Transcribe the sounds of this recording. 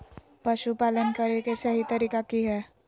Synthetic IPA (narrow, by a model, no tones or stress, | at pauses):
pɐʃupaːlənkɐɾekesɐɦit̪ɐɾiːkakiɦɛː